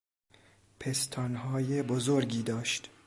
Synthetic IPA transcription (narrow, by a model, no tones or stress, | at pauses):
pʰest̪ʰɒnɦɒːjebozoɾɡiːd̪ɒːʃt̪